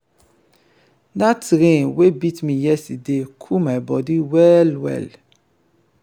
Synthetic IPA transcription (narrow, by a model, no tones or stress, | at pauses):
natɾĩwebitmĩjɛsidekʰumaibɔdiwɛlwɛ̰l